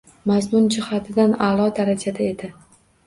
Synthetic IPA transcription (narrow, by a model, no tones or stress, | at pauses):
mazmʊnd͡ʒɪhat̪ʰɪd̪analˠɒd̪aɾad͡ʒʰad̪ae̞d̪ɪ